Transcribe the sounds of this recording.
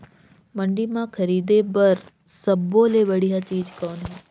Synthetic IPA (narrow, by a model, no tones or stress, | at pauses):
mɐ̃ɳɖimãxʰɐɾiːd̪ebɐɾ | səboːleʋɐɽ̤iɦat͡ʃiːd͡ʒkɔːnɦeː